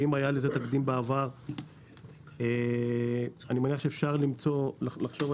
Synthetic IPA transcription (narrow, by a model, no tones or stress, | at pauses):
imajalezet̪akd̪imbeavaʁ | e | animeaniaχʃefʃaʁlimt͡so̞llaχʃo̞v